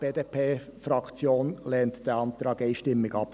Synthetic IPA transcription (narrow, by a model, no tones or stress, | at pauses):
b̥eːdeːpʰeːfɾɑkt͡sjoːnlɛːntd̥ɛːɐɑntɾɑːɡeɪʃtɪmːɪɡɑp